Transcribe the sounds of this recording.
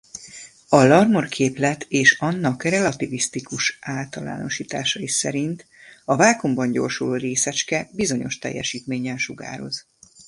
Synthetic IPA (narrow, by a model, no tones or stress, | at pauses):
ɒlɒrmorkʰeːplɛt̪ʰeːʃɒnːɒkrɛlɒt̪ivist̪ikuʃaːlt̪ɒla̰ːno̞̰ʃiːt̪aːʃɒisɛɾint̪ | ɒvaːkombɒɲɟo̞̰rʃuloreːsɛt͡ʃkɛbizo̞ɲo̞̰ʃt̪ɛ̰jːɛ̰ʃiːt̪meːɲɛnʃuɡa̰ːɾo̞̰z